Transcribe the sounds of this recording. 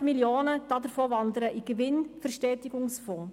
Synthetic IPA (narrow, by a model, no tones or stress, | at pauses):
miljoːnəd̥ɑːdəɾfoːvɑndəɾəʔiɡ̥əʋɪnfəɾʃtɛːtɪɡ̥ʊŋsfɔ̃ː